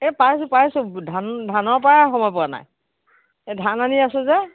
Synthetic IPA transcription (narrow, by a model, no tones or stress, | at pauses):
ɛpas̬ʊpasudʱandʱanɔɹpajaxɔmɔjpʊana̰j | ɛdʱananiasɛzɛ